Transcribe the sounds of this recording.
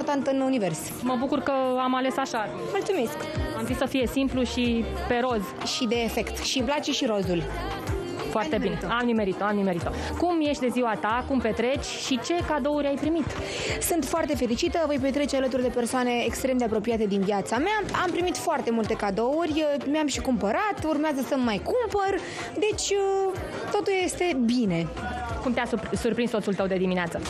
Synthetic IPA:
ort̪ant̪ɨnunive̞rs | məbukurkəamale̞saʃa | mult̪sume̞sk | amzit̪səfije̞simpluʃi | pe̞ɾo̞z | ʃid̪e̞ːfe̞kt̪ʃiblat͡ʃiʃiɾo̞zul | foat̪ebineamnimeɾit̪əamnimeɾit̪ə | kumjeʃt̪ʲd̪e̞ziwat̪akumpe̞t̪ɾe̞t͡ʃʲʃit͡ʃe̞kad̪o̞uɾʲajpɾimit̪ | sunt̪foart̪e̞fe̞ɾit͡ʃit̪əvəjpe̞t̪ɾe̞t͡ʃealət̪̬urd̪e̞pe̞rsoane̞ːkst̪ɾemd̪eapɾo̞piat̪e̞d̪inviat̪sameaampɾimit̪foart̪e̞mult̪e̞kad̪o̞urʲmeamʃikumpəɾat̪urmeazəsəmːajkumpər | d̪e̞t͡ʃʲə | t̪o̞t̪ulje̞st̪e̞bine̞ | kumt̪easusurpɾinst̪osult̪əwd̪e̞d̪imineat̪sə

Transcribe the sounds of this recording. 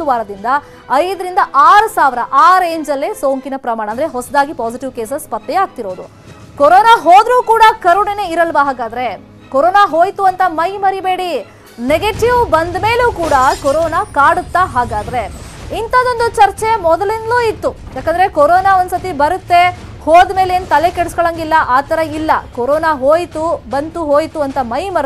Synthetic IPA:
uʋaːɾɐd̪ind̪ɐ | ɐjd̪ɐɾind̪ɐʔaːɾusaːʋiɾɐʔaːɾeːɲd͡ʒɐlːeːsoːŋkinɐpɾɐmaːɳɐndɐɾeɦɔsɐd̪aːɡipaːsiʈiʋkeːsespɐt̪ːɛaːɡ̚t̪iɾo̞ːd̪u | kɔɾoːnaɦoːd̪ɾuːkuːɽɐkɐɾuɳeneiɾɐlʋaɦaːɡaːd̪ɐɾe̞ | koɾoːnaɦoːjt̪uɐnt̪ɐmɐjmɐɾibe̞ːɽi | neɡeʈiʋbɐnd̪me̞ːluːkuːɽɐkoɾoːnakaːɽut̪ːaɦaːɡaːd̪ɐɾe̞ | int̪ɐd̪o̞nd̪ut͡ʃɐɾt͡ʃemɔd̪ɐlind̪luːit̪ːu | jaːkɐndɐɾe̞koɾoːnaond̪sɐt̪ibɐɾut̪ːe̞ | hoːd̪me̞ːleːnut̪ɐle̞keɽskɐɭɐŋɡilːɐʔaːt̪ɐɾɐilːɐkoɾoːnaɦoːjt̪ubɐnt̪uɦoːjt̪uɐnt̪ɐmɐjmɐɾ

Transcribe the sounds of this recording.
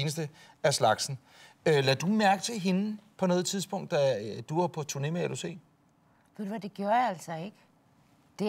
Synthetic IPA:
nəsd̥ə | æɐslɑ̈ɡ̥sn̩ | ølæd̥umæɐɡ̥ət͡sʰe̝ɦe̝nəpʰɒ̽nɔ̽ːð̞̩ˠt͡sʰiðˠsb̥ɔ̽ŋ̰d̥æd̥uæpʰɒ̽t͡sʰuɐne̝meælusḛː | ʋeðd̥̪uʋæd̥e̝ɡ̥joːɐjaæl̰sɒe̝ɡ̥ə | d̥e̝

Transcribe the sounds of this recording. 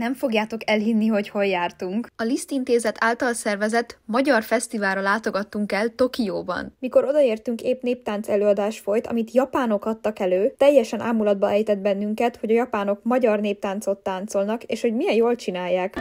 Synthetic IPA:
nɛɱfo̞ɡjaːt̪o̞kɛlɦinːiɦo̞cho̞jːaːrt̪uŋkɒlist̪int̪eːzɛt̪ʰaːlt̪ɒlsɛrvɛzɛt̪mɒɟɒrfɛst̪ivaːlɾɒlaːt̪o̞ɡɒt̪ːuŋkɛlt̪o̞kijoːbɒ̰nmiko̞ɾo̞d̪ɒeːrt̪yŋkeːpneːp̚t̪aːnt̪sɛløːɒd̪aːʃfo̞jt̪ɒ̰mit̪jɒpaːno̞kɒt̪ːɒkɛløːt̪ɛjːɛʃɛnʔa̰ːmulɒd̪̚bɒʔɛjt̪ɛd̪̚bɛnːyŋkɛt̪ho̞ɟɒjɒpaːno̞kmɒɟɒrneːp̚t̪aːnt̪so̞t̪ːaːnt̪so̞lnɒkḛːʃho̞ɟmijɛjjoːlt͡ʃinaːjːaːk

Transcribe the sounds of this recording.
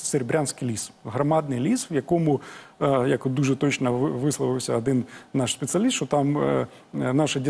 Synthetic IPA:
seɾʲbɾʲansʲkɪjlʲisɦrɐmɑd̪̚nɪjlʲisʋjɐkɔmʊ | jɐkd̪uʐɛt̪ɔt͡ʃnɐʋɪslˠɐʋɪwsʲɐɐd̪ɪnnɑʃsʲpʲet̪sɨɐlʲist̪t͡ʃɔt̪ɑm | nɑʃɐdʲi

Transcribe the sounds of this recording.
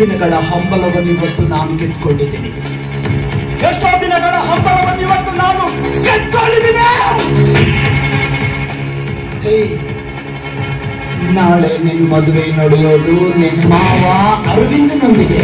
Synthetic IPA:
inɐɡɐɭɐɦombɐlɐʋɐniʋɐt̪ːunaːnuket̪ːkoɳɖid̪ini | eʂʈoːd̪inɐɡɐɭɐɦɔmbɐlɐʋɐniʋɐt̪ːunaːnuket̪koɭɖid̪ine | ej | naːɭeneːnumɐd̪uʋejnoɽɛjoːd̪unenumaːʋaɐɾuʋind̪inond̪iɡe

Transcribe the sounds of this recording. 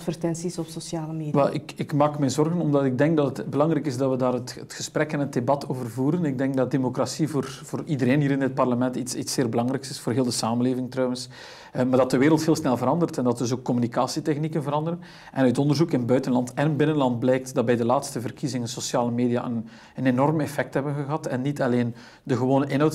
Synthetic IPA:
tfərtɛnsisɔpsosjaːləmeːʋɛlˠʔɪ̰kɪkmaːkmɛnzɔrɣənɔmdɑtɪɡ̚dɛŋk̚dɑtətbəlɑŋɾɛjkɪzdɑtʋədaːɾətətxəspɾɛkɛnət̚debɑtoːvərvuːɾənɪɡ̚dɛŋk̚dɑt̚demokrasivoːrvoːridəɾeːnɦiːɾɪnət̚pɑrləmɛntitsitseːrbəlɑŋɾɛjksɪsfoːrɦeːlˠdəsaːmənleːvɪŋtrœwəns | maːrdɑtdəʋeːɾəlˠtheːlˠsnɛlˠvəɾɑndərtɛndɑt̚dɵsoːkːɔmynikaːsitɛxnikənvəɾɑndəɾən | ʔɛnœɥtɔndərzukɪnbœɥtənlɑntɛnbɪnənlɑnt̚blɛjk̚tdɑt̚bɛjdəlaːtstəvərkizɪŋənsosjaːləmeːdija̰ʔən | ənenɔrmɛfɛk̚tɦɛbənɣəɦɑtɛnːitɑleːn | dəɣəwoːnəʔɪnɦœwt

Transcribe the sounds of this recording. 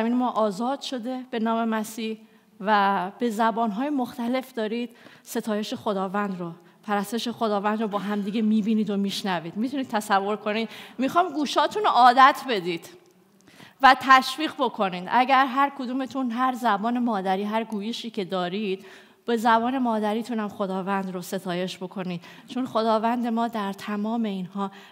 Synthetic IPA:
miːnemɒːʔɒːzɒːd̪̥ʃo̞d̪e̞b̥e̞nɒːme̞mæsiːh | væb̥e̞zæbɒːnɦɒːjemoxt̪æle̞fd̪ɒːɾiːd̪̥ | se̞t̪ʰɒːje̞ʃe̞xo̞d̪ɒːvænd̪ɾo | pʰæɾæst̪e̞ʃe̞xo̞d̪ɒːvænd̪ɾɔbɒːɦæmd̪iːɟe̞miːbiːniːd̪omiːʃnæviːd̪mit̪ʰunid̪̥̚t̪ʰæsævːo̞ɾkʰo̞nid̪mixɒjmɡuːʃɒːt̪ʰunoʔɒːd̪æt̪ʰbe̞d̪iːd̪̥ | væt̪ʰæʃviːɣbo̞kʰo̞niːd̪æɟæɾɦæɾkʰod̪uːme̞t̪ʰunɦæɾzæbɒːne̞mɒːd̪æɾiːɦæɾɡuːje̞ʃiːcʰe̞d̪ɒːɾid̪̥ | b̥e̞zæbɒːne̞mɒːd̪æɾiːt̪ʰunæmxo̞d̪ɒːvænd̪ɾose̞t̪ʰɒːje̞ʃbo̞kʰo̞niːd̪̥ | t͡ʃʰo̞nxo̞d̪ɒːvænd̪e̞mɒːd̪æɾt̪ʰæmɒːme̞iːnhɒː

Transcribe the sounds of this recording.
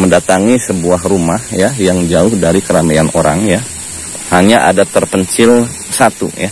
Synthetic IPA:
məndat̪aŋisəbuaɦrumahjajaŋd͡ʒaʊhdaɾikəɾameanʔoɾaŋja | haɲaʔa̰dat̪ərpəɲt͡ʃɪl | sat̪ṵja

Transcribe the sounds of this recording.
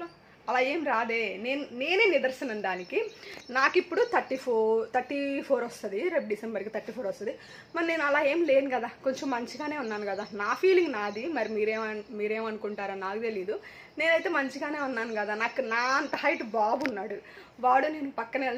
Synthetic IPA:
ɐlaːe̞ːmɾaːd̪e̞ːne̞ːnune̞ːneːnid̪ɐɾsinɐɳɖaːnikinaːkipːuɽut̪ʰɐʈːipʰoːt̪ʰɐɾʈːipʰoːɾʋɐst̪ɐd̪iɾeɖɖisembɐɾkit̪ʰɐɾʈːiːpʰoːɾɐst̪ɐd̪i | mɐɾineːnuɐlaːe̞ːmle̞ːnuɡɐd̪aːko̞ɲt͡ʃɐmːɐɲt͡ʃiɡaːne̞ːunːaːnukɐd̪aːnaːpʰiːliŋɡnaːd̪imɐɾimiːɾeːmɐmiːɾe̞ːmɐnukuɳʈaːɾaːnaːkut̪e̞liːd̪u | ne̞ːnɐjt̪e̞ːmɐɲt͡ʃiɡaːne̞ːunːaːnuɡɐd̪aːnaːkunaːɐnt̪ɐɦɐjʈubaːbunːaːɽu | ʋaːɽuneːnupɐkːɐnel

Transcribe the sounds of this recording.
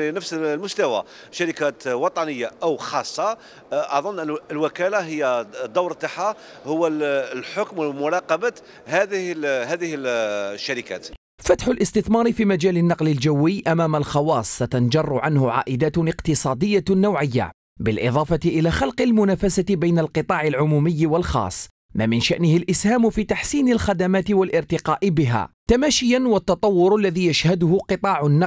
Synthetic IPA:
nəfslmʊst̪æwa | ʃaɾikæt̪wɑt̪ˤɑnəjːaʔəwxɑsˤːɑ | ʔɑðˤʊnːʔəəlwækælaɦəjːæd̪ˤːɑwɾt̪ˤːaħa | hʊwːælħokmwəmʊɾˤɑqɑbat̪ | hæd̪əɦæd̪əhəlʃːaɾikæ̰ːt̪ | fat̪ħʊlʔɪst̪ɪθmɑːɾˤɪfiːmad͡ʒaːlɪnːɑqlɪld͡ʒawːɪjʔamaːmalxɑwɑːsˤːat̪ɑnd͡ʒɑrˤːʊʕanhʊʕa̰ːʔɪd̪aːt̪ɪqt̪ɨsˤɑːd̪ɪjːanːawʕɪjːa̰ | bɪlʔɪðˤɑːfɑt̪ɪʔɪlaːxɑlqɪlmʊnaːfasat̪ɪbajnalqɨt̪ˤɑːʕɪlʕʊmuːmɪjːwalxɑ̰ːsˤː | maːmɪnʃaʔnɪhɪlʔɪshaːmfiːt̪aħsiːnɪlxad̪amaːt̪ɪwalʔɪɾt̪ɪqɑːʔɪbɪɦa̰ːt̪amaːʃɪjanwɑt̪ːɑt̪ˤɑwːʊɾalːaðiːjaʃhad̪ʊhʊqɨt̪ˤɑːʕʊnːɑ

